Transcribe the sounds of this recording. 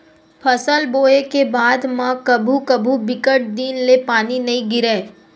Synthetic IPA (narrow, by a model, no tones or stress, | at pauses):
pʰɐsəlboːekebaːd̪mãkɐbʱukɐbʱubɪkəʈ̚d̪iːnlepaːninɐɦĩɡɪɾeː